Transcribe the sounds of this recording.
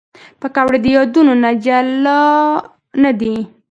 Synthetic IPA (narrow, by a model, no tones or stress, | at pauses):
pəkawɽed̪əjɑd̪unonad͡ʒalɑ | nad̪i